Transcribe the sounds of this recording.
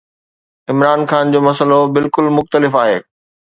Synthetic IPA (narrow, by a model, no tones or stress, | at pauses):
ɪmɾaːnxaːnd͡ʑoːmɐsəlobɪlkʊlmʊxt̪əlɪfaːɦeː